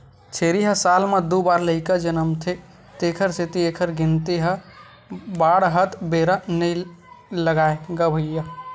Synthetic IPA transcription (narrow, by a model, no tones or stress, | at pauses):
t͡ʃʰeɾiɦəsalmed̪ubaɾləikəd͡ʒənəmt̪ʰe | t̪ekʰəɾset̪iekʰəɾɡint̪eɦə | baɽɦət̪ʰbeɾənəjləɡaeɡəbʱəjə